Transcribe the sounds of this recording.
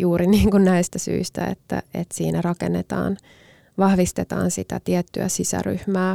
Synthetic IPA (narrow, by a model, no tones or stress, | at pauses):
juːɾiniːŋkunnæist̪æsy̰ist̪æḛt̪ːæ̰et̪siːnærɑkenːet̪ɑ̰ːn | ʋɑhʋist̪et̪ɑ̰ːnsit̪æt̪iɛt̪ːyæsisæ̰ryhmæː